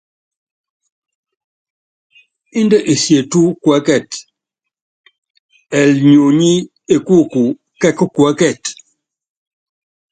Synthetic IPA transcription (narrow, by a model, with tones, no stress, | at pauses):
i˦ndə˦ʔe˨sje˨tu˦kwɛ˨˦kɛ˦˨t | ɛ˨lɲo˨ɲi˦ | e˨ku˦˨ku˨ | kɛ˦ku˦kwɛ˨˦kɛ˦˨t